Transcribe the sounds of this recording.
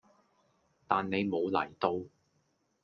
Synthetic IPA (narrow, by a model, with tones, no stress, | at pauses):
t̪aː˨nːe˨˧jmo˨˧wlɐ̰˨˩jt̪o˧w